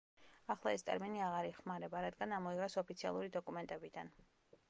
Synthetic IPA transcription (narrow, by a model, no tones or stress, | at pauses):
aχlˠaɛst̪ʼɛ̰ɾminiaʁaɾiχmaɾɛbaɾad̪ɡanamɔiʁɛsɔpʰit̪sʰia̰lˠuɾid̪ɔkʼumɛnt̪ʼɛbid̪an